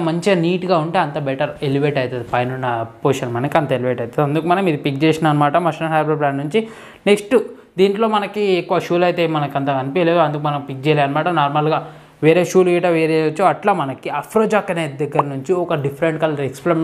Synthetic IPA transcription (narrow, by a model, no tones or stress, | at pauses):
mɐɲt͡ʃeniːʈɡaːuɳʈe̞ːɐnt̪ɐbeʈɐɾeliʋeːʈɐjt̪ɐd̪ipɐjnunːɐpoːʃɐnmɐnɐkiɐnt̪ɐeliʋeːʈɐjt̪ɐd̪uɐnd̪ukumɐnɐmid̪ipik̚d͡ʒeːsinaːɐnːɐmaːʈɐmɐʂnɐɦaːjbɐɾbɾaːɳɖnuɲt͡ʃi | ne̞ksʈu | d̪iːɳʈlo̞ːmɐnɐkiekːuʋɐʃuːlɐjt̪eːmɐnɐkiɐnt̪ɐkɐnipileːd̪uɐnd̪ukumɐnɐmpik̚d͡ʒɛːlaːɐnːɐmaːʈɐnaːɾmalɡaː | ʋeːɾeːʃuːlʋiːʈɐʋeːɾeːɐt͡ʃːuːɐʈlaːmɐnɐkiɐpʰɾoːd͡ʒaːkɐneːd̪ɐɡːɐɾɐnuɲt͡ʃiɔkɐɖipʰɐɾeɳʈkɐlɐɾeksplem